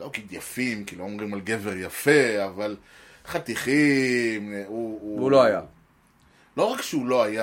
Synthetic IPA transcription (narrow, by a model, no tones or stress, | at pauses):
lokid̪jafimkiloomʁimalɡe̞veʁjafe̞aval | χat̪iχimuuloaja | lo̞ʁakʃeulo̞aja